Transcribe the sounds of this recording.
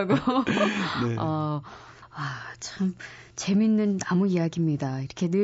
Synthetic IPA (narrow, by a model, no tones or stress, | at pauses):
ɡo | eʌ | at͡ɕʌm | t͡ɕe̞minːɯnːamuijaɡimɲidaiɾʌkʰe̞nɯ